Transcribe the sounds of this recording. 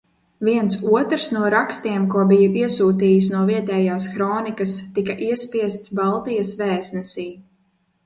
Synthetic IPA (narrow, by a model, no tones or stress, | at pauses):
viɛnt̪suɔt̪ɾsnuɔɾakst̪iɛmkuɔbijɐʔiɛsuːt̪iːjis̬nuɔviɛt̪ɛːjaːsxɾɔːnikɐst̪ikɐʔiɛspiɛst̪sbalˠt̪ijɐsvɛːsnɛsiː